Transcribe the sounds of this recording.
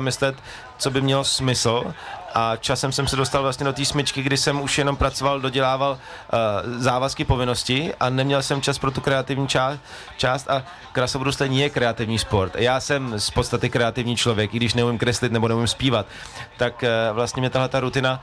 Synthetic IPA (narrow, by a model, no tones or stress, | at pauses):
mɪslɛt̪ | t͡so̞bɪmɲɛlosmɪsl̩ʔat͡ʃasɛmsɛmsɛdo̞st̪alvlast̪ɲɛdo̞t̪iːsmɪt͡ʃkɪɡdɪsɛmuʃjɛno̞mpɾat͡so̞valdo̞ɟɛlaːval | zaːvaskɪpo̞vɪno̞scɪʔanɛmɲɛlsɛmt͡ʃaspɾo̞t̪ukɾɛat̪ɪvɲit͡ʃa | t͡ʃaːst̪ʔa | kɾasovɾust̪ɛɲijɛkɾɛat̪ɪvɲiːspo̞ɾt̪jaːsɛmspo̞t̪st̪at̪ɪkɾɛat̪ɪvɲiːt͡ʃlo̞vjɛkɪɡdɪʃnɛumɪmkɾɛslɪt̪nɛbonɛumɪmspiːvat̪ː | akvlast̪ɲɛmɲɛt̪aɦlɛt̪aɾut̪ɪna